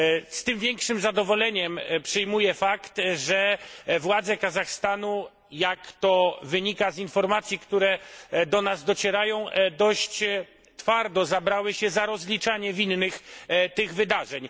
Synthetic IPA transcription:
st̪ɘmvʲjɛŋkʂɘmzad̪ɔvɔlɛɲɛmpʂɨjmujɛfakt̪ʐɛvwad̪zɛkazaxst̪anu | jakt̪ɔvɘɲikazinfɔɾmat̪sʲjikt̪uɾɛd̪ɔnazd̪ɔt͡ɕɛɾajɔ̃w̃d̪ɔɕt͡ɕ | t̪faɾd̪ɔzabɾawɘɕɛzaɾɔzlʲit͡ʂaɲɛvʲinːɘxt̪ɘɣvɘd̪aʐɛɲ

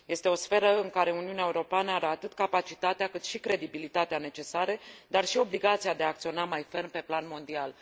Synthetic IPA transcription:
je̞st̪e̞o̞sfe̞ɾəɨŋkaɾe̞uniuneaeuɾo̞peanəaɾeat̪ɨt̪kapat͡ʃit̪at̪eakɨt̪ʃikɾe̞d̪ibilit̪at̪eane̞t͡ʃe̞saɾed̪arʃio̞bliɡat̪siad̪e̞aːk̚t̪sio̞namajfe̞rnpe̞planmo̞nd̪ial

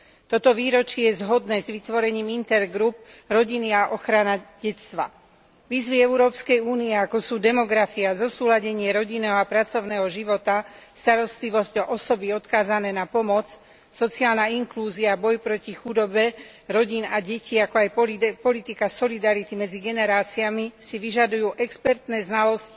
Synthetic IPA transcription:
t̪ɔt̪ɔʋiːɾɔt͡ʃɪɛjɛzɦɔd̪nɛːzʋit̪ʋɔɾɛɲiːmint̪ɛɾɡɾup̚ɾɔɟiniaʔɔxɾanaɟɛt͡st̪ʋa̰ | ʋiːzʋiɛuɾɔːpskɛjuːniɛakɔsuːd̪ɛmɔɡɾafiazɔsuːlaɟɛɲɪɛɾɔɟinɛːɦɔapɾat͡sɔʊnɛːɦɔʒiʋɔt̪ast̪aɾɔst̪liʋɔzcɔʔɔsɔbiɔt̪kaːzanɛːnapɔmɔt͡s | sɔt͡siaːlnaiŋkluːziaːbɔjpɾɔcixud̪ɔbɛ | ɾɔɟinaɟɛciakɔajpɔlit̪ikasɔlid̪aɾit̪imɛd͡ziɡɛnɛɾaːt͡siamisiʋiʒad̪ujuːʔɛkspɛɾt̪nɛːznalɔsc

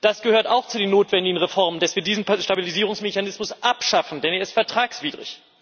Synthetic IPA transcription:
d̥asɡ̥əhøːɐtaʊxt͡sudeːnːoːtv̥ɛndɪɡŋ̩ʁefɔɐməndasv̥iːɐdiːzn̩ʃtabiliziːʁ̞ʊŋsmeçanɪsmʊsʔapʃafn̩dɛneːɐɪstfɛɐtʁ̥aːksv̥iːdʁɪ̰ç

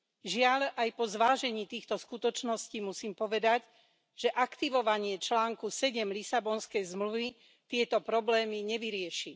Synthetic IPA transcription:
ʒɪaʎajpɔzʋaːʒɛɲiːt̪iːxt̪ɔskut̪ɔt͡ʃnɔsciːmusiːmpɔʋɛd̪aɟ | ʒ̥ɛʔakt̪iʋɔʋaɲɪɛt͡ʃlaːŋkusɛɟɛmlisabɔnskɛjzmluʋi | t̪ɪɛt̪ɔpɾɔblɛːmiɲɛʋiɾɪɛʃi

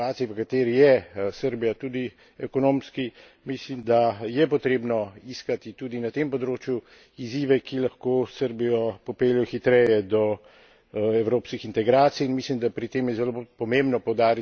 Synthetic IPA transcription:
aːt̪sijiʋəkat̪eːɾijɛsəɾbijat̪uːd̪i | ɛkɔnoːmski | mislimd̪ajɛpɔt̪ɾeːbnɔiskat̪it̪uːd̪inat̪empɔd̪ɾoːt͡ʃju | iziːʋɛkilaxkoːsəɾbijɔpɔpeːljɔxit̪ɾɛjɛd̪ɔ | ɛwɾoːpskixint̪ɛɡɾaːt̪sijːnmislimd̪apɾit̪eːmjɛzɛlopɔmembnɔpɔwd̪aːɾi

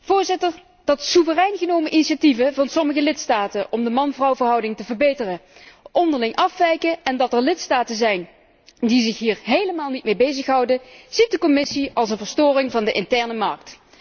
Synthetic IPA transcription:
v̥ʊːɹzɪtəɹ | d̥ɑtsuvərɛjnɣənowməʔiniʃativəvɑnsɔməɣəlɪtstaːtəʔɔmdəmɑnvrɑwvəɹɦʌwdɪŋtəvəɹbejtərəʔɔndəɹlɪŋʔɑfʋɛjkəɛndɑtɛɹlɪtstaːtənzɛjn | dizɪxɦiːɹɦejləmaːlˠnit̚mejbejzəxɦʌwdəz̥it̚dəkɔmɪsiɑlˠs̬ənvəɹstʊːrɪŋvɑndəʔɪntɛɹnəmɑɹkt

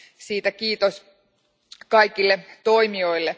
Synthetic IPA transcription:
siːt̪ækiːt̪os | kɑjkilːet̪o̞imio̞ilːe

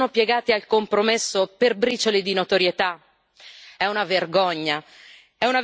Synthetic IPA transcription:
nopjɛɡaːt̪ialkompɾomesːoperbɾit͡ʃolid̪inot̪oɾjet̪a | ɛunaverɡɔɲːa | ɛuna

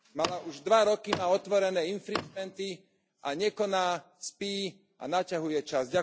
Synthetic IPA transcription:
malaʔuʒd̪ʋaɾɔkimaːɔt̪ʋɔɾɛnɛːinfɾid͡ʒmɛnt̪i | ʔaɲɛkɔnaː | spiː | ʔa̰nacaɦujɛt͡ʃazɟa

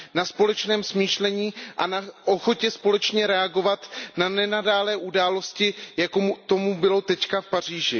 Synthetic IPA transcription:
naspo̞lɛt͡ʃnɛːmsmiːʃlɛɲiːʔanaʔoxo̞cɛspo̞lɛt͡ʃɲɛɾɛaɡo̞vat̪nanɛnadaːlɛːʔudaːlo̞scɪjakomut̪o̞mubɪlo̞t̪ɛckafpariːʒɪ

